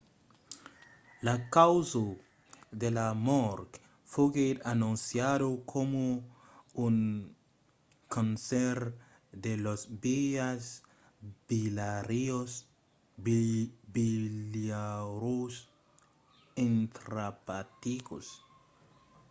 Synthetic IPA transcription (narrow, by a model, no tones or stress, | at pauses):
lakawzo | d̪elamɔɾk | foɡeanũnsjadokʰomo | uŋ | kansɛɾ | d̪elozbiaz | b̥ilaɾios | biljaɾus | ẽnt̪ɾapat̪ikos